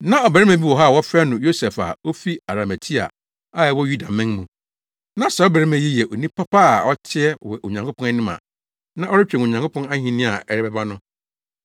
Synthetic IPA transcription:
nã˦ɔ˨bɾɛ˦mæ̃˨bi˦wɔ˨ɦa˦˨wɔ˦fɛ˦nʊ̃˨jo˦sɛ˨fa̰˨o˦fi˦a˨ɾa˨mæ˨tʰi˦a̰˨ | a˦˨ɛ˨wɔ˦ju˦da˨mɪ̃˦ŋmũ˨ | nã˦sɛ˨ɔ˦bɛ˨ɾɪ˦mɛ̃˨ji˦jɛ˨ʔo˨nĩ˦pʰa˦pa˦˨ɔ˦tʰɪ˦ɛ˦wɛ˨ʔo˨ɲã˨ŋkʰo˦pʰɔ̃˦a˦nĩ˦mã̰˨ | nã˦ʔɔ˦ɾɪ˦t͡ɕᶣɛ̃˨o˨ɲã˨ŋkʰo˦pʰɔ̃˦na˦hĩ˦nĩ˦a˨ɛ˨ɾɪ˦bɛ˦ba˦nʊ̃˦

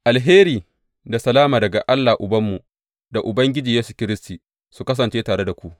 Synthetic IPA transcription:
ʔa˨lɦeː˦ɾiː˨ | da˨sɐ˨laː˦maː˨dɐ˨ɡa˨ʔa˦lːaː˨ʔʊ˨bɐ˦mːu˨ | da˨ʔʊ˨bɐ˦ŋɡʲɪ˦d͡ʒiː˨jeː˦su˨kʲɪ˦ɾɪ˦stiː˨ | su˨kɐ˦s̬ɐ˨nt͡ʃeː˦taː˨ɽe˦da˨kʷu˦ʔ

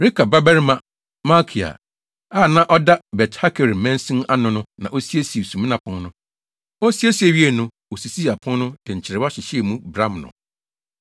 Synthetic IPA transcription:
ɾi˦kʰa˨ba˦bɛ˦ɾmã˨ | ma˦kʰi˨a̰˨ | aː˦˨nã˦ʔɔ˦da˦bɛ˨tha˦kʰɛ˨ɾ̩˨mɛ̃˦n˦sĩ˦na˦nʊ̃˨nʊ̃˦nã˨ʔo˦si˦e˦si˨sũ˨mĩ˦nã˨pʰʊ̃˦ŋnʊ̃˦ | o˦si˦e˦si˨e˨ɥi˦e˨nʊ̃˦wo˨si˨si˦˨a˨pʰʊ̃˦ŋnʊ̃˦dɪ˨ɲ̩˨t͡ɕʰɪ˨ɾɪ˨wa˦ɕɪ˨ɕe˨mũ˦bɾã˦mnʊ̰̃˨

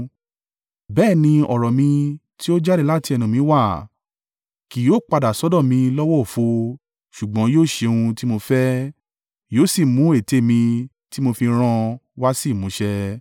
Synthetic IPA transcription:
bɛː˦˨nĩ˧ɔ˨ɾɔ˨mĩ˧ | ti˦o˦d͡ʒa˦ɾe˧la˦ti˧ɛ˧nũ˨mĩ˨˧˦wa˦˨ | ki˨joː˦˨k͡pa˧da˨sɔ˨˦dɔ̃˦˨mĩ˧lɔ˦wɔ˦o˨fo˧ | ʃu˨ɡ͡bɔ̃˨˦joː˦˨ʃe˧ũ˧ti˦mo˧fɛ˦ | joː˦˨si˦˨mũ˨˦e˦˨te˨˦˨mĩ˧ | ti˦mo˧fĩ˧ɾ̃ã˦˧wa˦si˦˨mũ˨˦ʃɛ˧

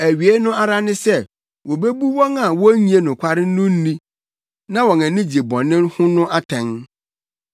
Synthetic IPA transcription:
æ˨ɥi˨e˦nʊ̃˦a˦ɾa˦nɪ̃˦sɛ˦˨ | wo˨be˦bu˦wɔ̃˦na˨wɔ˦ɲĩ˨e˦˨nʊ̃˨kʷʰa˦ɾɪ˦nː˦ʊ̃˦n̩˦nĩ˦ | nã˦wɔ̃˨næ̃˨nĩ˦d͡ʑi˨bɔ̃˨nɪ̃˦nhʊ̃˦nʊ̃˦ʔa˦tʰɛ̃˨ŋ

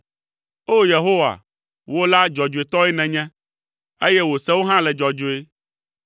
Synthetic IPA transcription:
o˦je˨ɦo˦wa̰˨ | wo˦la˦d͡ʒɔ˨d͡ʒo˨e˨t̪ɔ˦ɛ˦nɛ̃˨ɲɛ̃˦ | e˦jɛ˦wo˨sɛ˦wo˦ɦã˦lɛ˨d͡ʒɔ˨d͡ʒo˨e˦

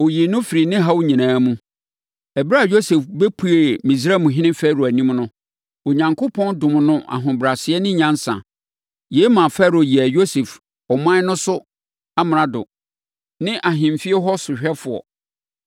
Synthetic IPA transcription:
o˨ji˨nʊ̃˦fi˨ɾi˨nɪ̃˦ɦa˦wɲĩ˨nãː˨˦mũ˦ | ɛ˨bɾa˦˨jo˦sɛ˨fbe˦pʰu˨˦e˨mĩ˨sɾɛ˦mũ˨ɦɪ̃˦nɪ̃˦fæ˦˨ɾu˨æ˨nĩ˦mnʊ̃˦ | o˨ɲã˨ŋkʰo˦pʰɔ̃˦ndʊ̃˨m̃˨nʊ̃˦ʔa̰˨ɦʊ̃˨bɾa˨sɪ˨˦ɛ˦nɪ̃˦ɲã˦n˦sã̰˨ | je˨˦mã˨fæ˦ɾo˨ji˨æ˨jo˦sɛ˨f | ɔ˨mã˦nʊ̃˦sʊ˦ | a˦m˨ã˨dʊ̰˨ | nɪ̃˦ʔa˨ɦɪ̃˨m˨fi˦ɛ˦ɦɔ˦sʊ˨ɕᶣɛ˦fʊ˨ɔ̰˨

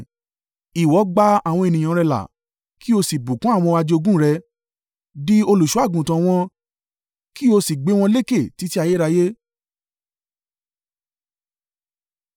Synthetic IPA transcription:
i˨wɔ˨˦ɡ͡ba˦a˦˨w̃ɔ̃˧e˧˨nĩ˨ã˧ɾɛ˧la̰˨ | ki˦o˧si˨bu˨kũ˦a˦˨w̃ɔ̃˧wa˧d͡ʒe˧o˧ɡũ˦ɾɛ˧ | bi˦o˧lu˨ʃu˨˦a˦˨ɡũ˨tã˧w̃ɔ̃˧ | ki˦o˧si˨ɡ͡be˨˦w̃ɔ̃˧le˦ke˦˨ti˨˦ti˦a˦˨je˦ɾa˧je˦

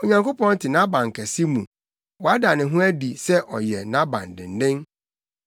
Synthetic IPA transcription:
o˨ɲã˨ŋko˦pɔ̃˦n˦tʰɪ˨nã˦bã˨ŋ̩˨kʰɛ˨si˦mũ˨ | wɔ˨a˦da˨nɪ̃˨ɦʊ̃˦æ˦di˨sɛ˦ʔɔ̰˨jɛ˨nã˦bã̰˨n˨dɪ̰̃˨n˨dɪ̃˦n

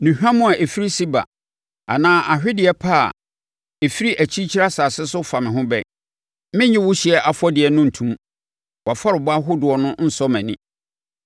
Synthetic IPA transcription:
nũ˨hᶣã˦mʊ̃˦a˨ʔe˨fi˦ɾi˦si˦ba̰˨ | a̰˨nãː˦ʔa˨ɕᶣɪ˦dɪ˨ɛ˨pʰa˦˨ | e˨fi˦ɾi˦ʔæ˨t͡ɕʰi˦t͡ɕʰi˦ɾa˦saː˨sɪ˦sʊ˦fa˨mɪ̃˨ɦʊ̃˦bɛ̰˦ | mɪ̃˦ɲɪ̃˦wʊ˦ɕɪ˨ɛ˦ʔa˨fɔ˦dɪ˨ɛ˨nʊ̃˦n̩˨tʰũ˦m | wa˨fa˦ɾɪ˨bʊ˦a˦ɦʊ˦dʊ˨ɔ˨nʊ̃˦n̩˦sɔ˦mæ̃˨nĩ˦

